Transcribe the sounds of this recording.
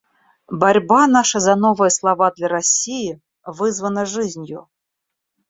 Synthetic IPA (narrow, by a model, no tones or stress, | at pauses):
baɾʲbanaʂɐzɐnɔvɨjɐslˠavad̪lʲɐɾasʲiji | vɨzvənɐʐɨzʲnʲjʊ